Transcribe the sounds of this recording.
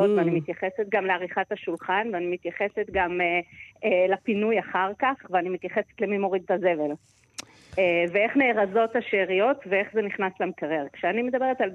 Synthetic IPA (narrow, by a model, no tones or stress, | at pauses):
ot̪veanimit̪jaχe̞set̪ɡamleaʁiχathaʃulχanveanimit̪jaχe̞set̪ɡameelapinujaχaʁkaχveanimit̪jaχe̞set̪lemimo̞ʁid̪̚taze̞ve̞l | evee̞χneːʁazo̞taʃeːʁijo̞tvee̞χzeniχnaslamkaʁeʁkʃeanimed̪abe̞ʁet̪al